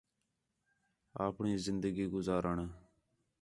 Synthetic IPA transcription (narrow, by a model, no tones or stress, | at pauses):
aːpɳĩːzɪnd̪əɡiːɡʊzaːɾəɳ